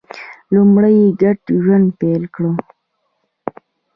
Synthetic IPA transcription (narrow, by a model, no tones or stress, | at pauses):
lumɽəjeɡaʈʒanpelkɽə